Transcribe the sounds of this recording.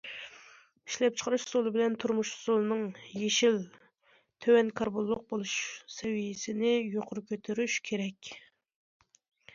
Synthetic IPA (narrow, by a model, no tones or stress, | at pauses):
iʃlɛp̚t͡ʃʰə̥qʰɑɾɨʃsolˠɨbɪlɛnt̪ʰuɾmuʃz̥ulˠɨnɨŋjeʃil | t̪ʰøwɛnkʰɑɾbolˠːʊq̚bolˠuʃsɛwijɪsɪnɪjoqʰʊɾkʲʰøt̪ʰyɾyʃkʲʰeɾɛkʲ